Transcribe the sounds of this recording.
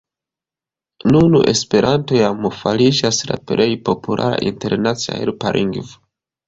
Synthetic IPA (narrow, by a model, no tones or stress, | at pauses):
nunṵʔe̞spe̞ɾantojamufalid͡ʒasla̰pɾejpo̞pʰulʔa̰ɾa̰ʔinte̞ɾnat͡sia̰ḛɾpaɾʔiŋɡv